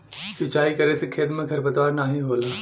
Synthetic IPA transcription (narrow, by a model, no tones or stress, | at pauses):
sɪt͡ɕaːikɐɾesekʰeːd̪mẽɡʱɐɾbɐt̪ʋaːɾnaːɦĩboːlaː